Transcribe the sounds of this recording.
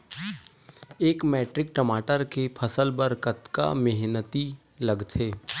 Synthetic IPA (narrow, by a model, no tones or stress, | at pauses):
eːkmɛːʈɾɪk̚ʈəmaːʈəɾkepʰəsəlbəɾkət̪ka̰mɪɦnət̪i | lɐɡt̪ʰeː